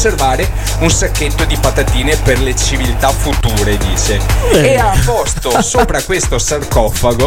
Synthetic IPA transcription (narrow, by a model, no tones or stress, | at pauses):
servaːɾe | unsakːet̪ːod̪ipat̪at̪iːneperlet͡ʃivilt̪afut̪uːɾed̪iːt͡ʃeeapːɔst̪osoːpɾakwest̪osarkɔfaɡo